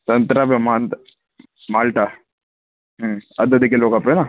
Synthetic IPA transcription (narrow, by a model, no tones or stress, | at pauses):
t̪ɐnt̪ɾabemaːnt̪ | maːlʈa | ɦɐd̪əd̪ekeloːɡaːpena